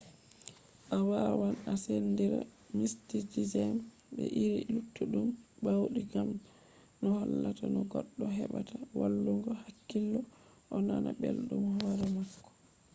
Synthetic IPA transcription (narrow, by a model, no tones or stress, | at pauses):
ʔawawanasɛndiɾa̰ | mistitizɛm | bɛʔiɾilutːuɗumbawɗiɡam | nɔhɔlːatanɔɡɔɗːɔɦɛɓatawalːuŋɡɔhakːilːɔ | ʔɔnanabelɗumhwɾamakːɔ̥